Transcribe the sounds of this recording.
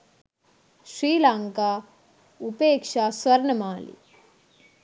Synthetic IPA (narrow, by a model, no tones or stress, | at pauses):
ʃɾiːlaːŋkaː | upeːkʂaːsʋɐɾɳɐmaːlḭ